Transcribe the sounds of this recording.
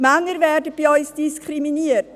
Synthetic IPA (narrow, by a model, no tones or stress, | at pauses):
maŋəɾvɛɾdəb̥iɔʏsd̥iskχɾiminiət